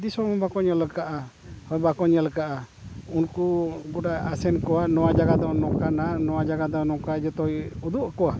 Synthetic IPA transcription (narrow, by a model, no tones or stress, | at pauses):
d̪isɔmɔ̃bakɔɲɛləkaʔa | hɔjbakɔɲɛlkaʔa | unkuɡuɖaasɛnkɔwanɔwad͡ʒaɡad̪ɔnɔkananɔwad͡ʒaɡad̪ɔnɔkad͡ʒɔt̪ɔjud̪uʔkɔwa